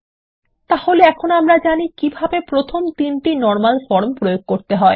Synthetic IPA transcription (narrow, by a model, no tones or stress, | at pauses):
t̪aholeɛkʰonamɾad͡ʑanikibʱabepɾot̪ʰomt̪inʈinɔɾmalfɔɾmpɾojoɡ̚koɾt̪eɦɔe